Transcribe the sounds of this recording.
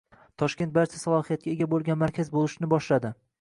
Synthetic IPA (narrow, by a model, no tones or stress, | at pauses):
t̪ʰɒʃkʲe̞nt̪̚baɾt͡ʃʰasalˠɒhijat̪̚kʲaeɡʲabolˠɡʲanmaɾkʲʰazbolˠɪʃnɪbɒʃlad̪ɪ